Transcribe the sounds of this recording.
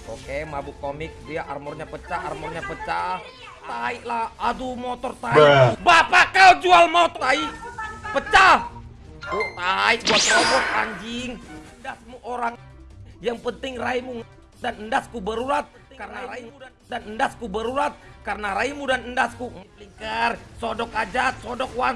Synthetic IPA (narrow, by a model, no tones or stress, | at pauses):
okemabukomɪk̚diaʔa̰rmɔrɲapət͡ʃaarmɔrɲapət͡ʃa | tt̪aiʔlahadumot̪ɔrt̪aibapakald͡ʒualmot̪aiʔpət͡ʃa | t̪aiʔmot̪ɔmuka̰ɲd͡ʒɪŋəndasmuʔoɾaŋjaŋpənt̪ɪŋraimuŋ | danəndaskubəɾuɾat̪̚ | karənaɾaiu | danəndaskubəɾuɾat̪̚karnaɾaimudanəndaskumpliŋkərsodɔkad͡ʒat̪̚sodɔk̚wan